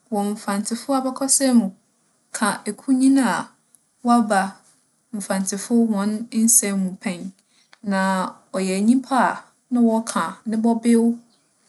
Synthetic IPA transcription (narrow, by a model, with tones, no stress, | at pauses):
wɔ˨m̩˨fã˨ntʰɪ˨fʊ˦a˨bɛ˦kʰɔ˦sɛ˦mũ˨ | kʰã˨e˨kʰu˦ɲĩ˦na˦a˨ | wɔ˦a˦ba˨ | m̩˨fã˨ntʰɪ˨fʊ˦hɔ̃˨n˦n̩˦sɛ̃˦mũ˨pʰɛ̃˦˨ɲ | nã˨ | ɔ˨jɛ˨ɲĩ˦mpʰa˦˨ | nã˦wɔ˦kʰã˨nɪ̃˦bɔ˦bɪ˦wʊ˦